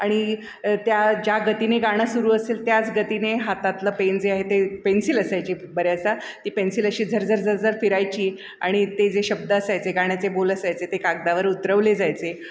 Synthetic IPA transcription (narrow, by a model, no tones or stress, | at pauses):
aɽ̃i | t̪jad͡ʑaɡət̪ineɡaɽ̃əsuɾuːəselt̪jat͡sɡət̪ineɦat̪at̪ləpend͡zeaɦet̪epensiləsajt͡ɕiːbəɾjasat̪iːpensiləɕiːd͡zʱəɾd͡zəɾd͡zʱəɾd͡zəɾfiɾajt͡ɕiː | a̰ɽ̃it̪ed͡zeɕəb̚d̪əːsajt͡seɡaɽ̃jat͡seboləsajt͡set̪ekaɡ̚d̪aʋəɾut̪ɾəʋled͡zajt͡se